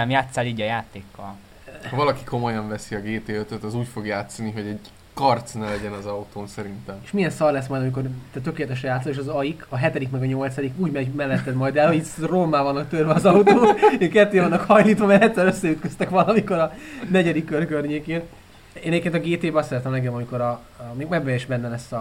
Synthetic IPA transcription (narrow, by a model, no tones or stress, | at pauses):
ɛmjaːt̪sːaːliːɟɒjaːt̪eːkːɒ̰l | hɒvɒlɒkiko̞mojɒɱvɛsiɒɡeːt̪eːøt̪øt̪ːɒzuːcfo̞ɡjaːt̪sɒniɦo̞ɟɛɟ | kɒrt̪snɛlɛɟɛnɒzɒut̪oːnsɛɾint̪ɛmeːʃmijɛnsɒrlɛsmɒjd̪ɒmiko̞rt̪ɛt̪ø̞keːlɛt̪ɛʃɛjaːt̪sɒleːʃɒzɒjikɒɦɛt̪ɛd̪ikmɛɡɒɲo̞lt̪sɒd̪ikuːɟmɛmɛlːɛt̪ːɛd̪mɒjd̪ɛlho̞ɟit̪romːaːvɒnːɒk̚t̪ørvɛɒzɒut̪oːekɛt̪ːeːvɒnːɒkhɒjliːt̪ʋɒmɛlːɛt̪ːɛɾøsːɛyt̪køst̪ɛkʋɒlɒmiko̞ɾɒnɛɟɛd̪ikːørkørɲeːkeːn | eːnɛɟepkeːnt̪ɒɡeːt̪eːbɛɒst̪sɛɾɛt̪ɛmlɛkɛmɒmiko̞ɾɒ | meːɡmɛɡbɛeʃbɛnːɛlɛsːɒ